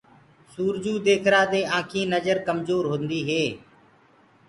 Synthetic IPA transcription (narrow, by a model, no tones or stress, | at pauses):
suːɾd͡ʒuːd̪eːkʰɾaːd̪eːãːkʰĩːnəzəɾkəmzoːɾɦʊ̃nd̪iːɦeː